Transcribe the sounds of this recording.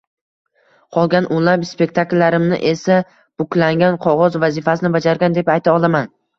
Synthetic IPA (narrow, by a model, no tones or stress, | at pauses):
qʰɒlˠɡʲanʔʊnlapspe̞k̚ʲt̪ʰakʲlːaɾɪmnɪ̰ʔesa | b̥ʊkʲlaŋɡʲanqʰɒʁɒzvazifasɪnɪbad͡ʒaɾɡʲand̪e̞pajt̪ʰaɒlˠaman